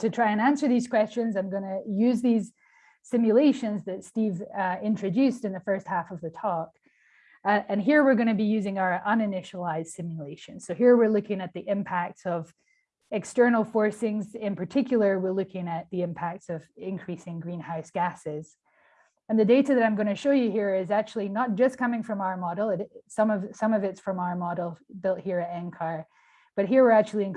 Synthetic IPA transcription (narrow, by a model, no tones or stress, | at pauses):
tʰɨtʰɹ̥aɪɨ̃næ̃nsə˞ðiz̥kʰw̥ɛst͡ʃɨ̃nzãɪ̃mɡʌnɨjʉzðiz̥ | sɪ̃mjɨlˠeɪʃɨ̃nzðɨtstivɪ̃ntɹ̥ɨdʉstɨ̃nðɨfɜ˞st̚hæfʌvðɨtʰɔk | ɨ̃nɦiɹwɪɹɡõñɨbijʉzɪ̃ŋaʊə˞ʔʌ̃nɨnɪʃəl̩ˠaɪzd̥sɪ̃mjɨlˠeɪʃɨ̃nz̥soʊɦiɹwɪɹlʊkɪ̃ŋɨt̪̚ðiʔɪ̃mpʰæk̚tsʌv | ɨkstɜ˞nl̩ˠfɔɹsɪ̃ŋzɪ̃npʰə˞tʰɪkʰjl̩ˠə˞wɪɹlʊkʰɪ̃ŋɨt̪̚ðiɪ̃mpʰæk̚tsʌvɪ̃nkʰɹ̥isɪ̃ŋɡɹĩnhaʊsɡ̥æsɪz̥ | ɨ̃nðɨdeɪɾɨðɨɾãɪ̃mɡʌ̃ñɨʃoʊjɨhiɹɪzæk̚t͡ʃul̩ˠinət̚d̥ʒ̥ʌskʰʌmɪ̃ŋfɹʌ̃maʊə˞mɑɾl̩ˠɪɾsʌ̃mʌvsʌ̃mʌvɨtsfɹʌ̃maʊə˞mɑɾl̩ˠbɪlˠt̚hiɹɨɾɛ̃nkʰɑɹ | b̥ʌt̚ɦiɹwɨɹæk̚t͡ʃʉl̩ˠiɨ̃n